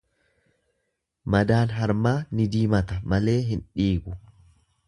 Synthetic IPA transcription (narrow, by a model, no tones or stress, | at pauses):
mɐd̪aːnɦɐɾmaːnɪd̪iːmɐt̪ɐmɐle̞ːɦɪnᶑiːɡʊ